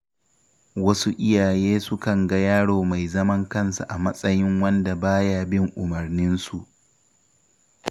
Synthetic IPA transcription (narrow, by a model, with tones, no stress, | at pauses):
wɐ˦su˦ʔɪ˦jaː˨jeː˦sʊ˦kɐ˨ŋɡɐ˦jaː˦ɽoː˨ma˨jzɐ˦mɐ˦ŋkɐ˦nsa˨ʔa˨mɐ˦sʼɐ˦jɪ˦ŋwɐ˦nda˨baː˦jaː˦bɪ˦ŋʔʊ˨mɐ˨rnɪ˦nsu˨ʔ